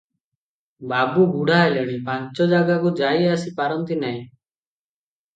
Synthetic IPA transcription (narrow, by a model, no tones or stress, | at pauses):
babuɡuɽajleɽ̃ipaɲt͡ʃɔd͡ʒaɡakud͡ʒajasipaɾɔnt̪inaj̃